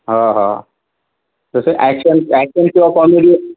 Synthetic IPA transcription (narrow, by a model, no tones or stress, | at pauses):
ɦãɦã̰ | d͡zəseʔækʃənækʃənkĩʋakɔmiɽi